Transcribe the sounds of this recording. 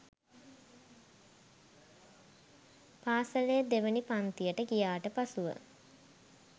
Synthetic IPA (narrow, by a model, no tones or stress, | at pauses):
paːsəlejəd̪eʋənipant̪ijəʈəkijaːʈəpasuʋə̰